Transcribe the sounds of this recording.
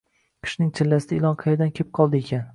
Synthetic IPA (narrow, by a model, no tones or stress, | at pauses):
qʰɨ̥ʃnɪŋt͡ʃʰɪlːasɪd̪aɪlˠɒnqʰɑjad̪ankʲʰep̚qʰɒlˠd̪ɪekʲʰan